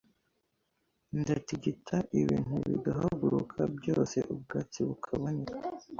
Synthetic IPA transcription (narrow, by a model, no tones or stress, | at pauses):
ndetiɟitʰaʔiβiːn̥uβḭɡaɦaɡuɾukʰabjo̞ːse̞̰ʔub̚ɡaːt͡siβukʰaβoniɾa